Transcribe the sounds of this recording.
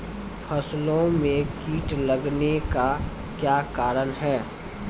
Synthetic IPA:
pʰɐslõmẽkiːʈləɡneka | kjaːkaːɾənɦɛː

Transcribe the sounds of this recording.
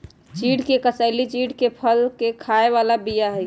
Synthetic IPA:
t͡ʃiɖkekəsəɪlit͡ʃiɖkepʰəlkekʰaeʋalabijaɦɛj

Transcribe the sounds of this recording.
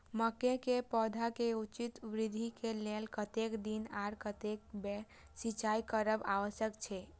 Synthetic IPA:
məkekepɔd̪ʱakeut͡ʃit̪ʋɾid̪ʱikelelkət̪ekd̪inaɾkət̪ek̚bɛ | sit͡ʃaikəɾəbaʋəsjəkt͡ʃʰɛ

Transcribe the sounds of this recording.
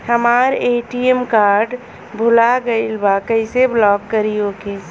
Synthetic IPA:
həmaɾeʈiemkaɾɖ | bʱulaɡəɪlbakəɪseblɔkːəɾioke

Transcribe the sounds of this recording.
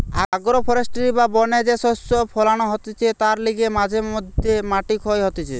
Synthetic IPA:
a̰ɡɾɔpʰɔɾesʈiɾibabɔned͡ʒesɔsɔpʰɔlaɽ̃ɔɦɔt̪it͡ʃʰet̪aɾliɡemad͡ʒʱemɔd̪ʱjemaʈikɔjɦɔt̪it͡ʃʰe

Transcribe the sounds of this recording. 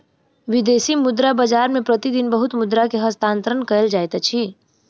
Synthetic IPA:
ʋɪd̪eːsimʊd̪ɾabəd͡ʒaːɾmẽpɾɐt̪id̪ɪnbəɦʊt̪mʊd̪ɾakeɦɐst̪ãːnt̪ɾənkɐəld͡ʒaːjt̪at͡ʃʰi

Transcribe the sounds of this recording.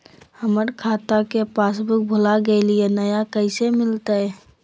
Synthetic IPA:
həməɾkʰaːt̪akepaːsbʱɪk̚bʱʊlaɡəelienəjakəɪsemɪlt̪aɦɛ

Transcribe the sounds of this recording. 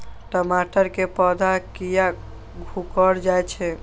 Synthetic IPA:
ʈəmaʈəɾkepəd̪ʱakija | ɡʱukəɽd͡ʒajt͡ʃʰɛ

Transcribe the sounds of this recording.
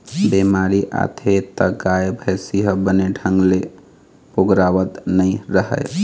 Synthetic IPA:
bemaɾiʔa̰t̪ʰet̪əɡajebʱəjsiɦəbəneɖʱəŋɡle | poɡɾaʋət̪nəɪɾəɦə̰j

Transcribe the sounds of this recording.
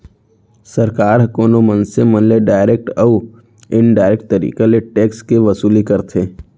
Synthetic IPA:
sɐɾkaːɾkoːnomə̃nsemənleɖaːɪɾeːk̚ʈɐu | ɪnɖaːɪɾeːk̚ʈ̚t̪əɾḭːkeleʈeːkskeʋɐsuːlikɐɾt̪ʰeː

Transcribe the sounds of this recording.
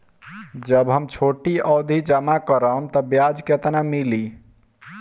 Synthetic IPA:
d͡ʒəbɦəmt͡ʃʰoʈiʔɔd̪ʱid͡ʒəmakəɾəmt̪əbjad͡ʒket̪namili

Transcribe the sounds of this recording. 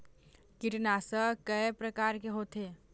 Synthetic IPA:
kɪʈnaːsəkəpɾɐkaːɾkeɦoːt̪ɦeː

